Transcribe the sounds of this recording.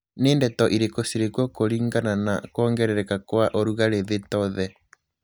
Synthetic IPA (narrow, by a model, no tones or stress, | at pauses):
neːndɛtɔʔiɾekosiɾekwɔkoɾiːŋɡananakwɔːŋɡɛɾɛɾɛkakwaʔoɾuɣaɾeðetɔðɛ